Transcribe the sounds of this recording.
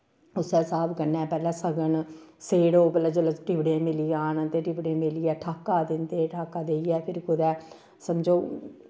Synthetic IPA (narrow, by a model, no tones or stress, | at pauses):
ʊsɛːsaːbkəɾnɛːpɛːlɛ̃ːsəɡəɳseːɽoːpələd͡ʒələʈɪʋɽeːmɪliːaːnənt̪eːʈɪʋɽẽːmɪliːɛːʈʰaːkːaːd̪ɪnd̪eːʈʰaːkːaːd̪eːijɛːpʰɪɾkʊd̪ɛː | səmd͡ʒoː